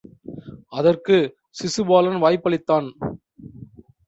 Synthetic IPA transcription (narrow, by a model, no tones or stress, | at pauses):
ɐðɐrkɯ | sɪsɯbaːlɐnʋaːjpːɐɭɪt̪ːaːn